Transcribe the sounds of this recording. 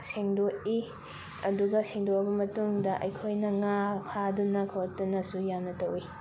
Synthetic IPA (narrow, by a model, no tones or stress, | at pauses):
seŋdoi | ɐduɡɐseŋdoɐbɐmɐtuŋdɐʔɐ̰jkʰojnɐŋakʰadunɐkʰɐwɐk̚tunɐsujamnɐtɐwi